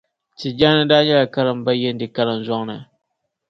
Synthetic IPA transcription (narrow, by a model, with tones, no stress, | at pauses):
ti˨d͡ʒa˦nɨ˦daː˦ɲɛ˦ka˨ka˦lɨ˨m˦ba˦jɛ˦n˦dɨ˨ka˦lɨ˨m˨zɔ˦ŋnɨ˨